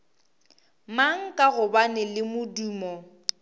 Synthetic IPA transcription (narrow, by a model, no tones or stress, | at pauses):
maŋ̩kʼaɣʊbanɪlɪmʊduːmɔ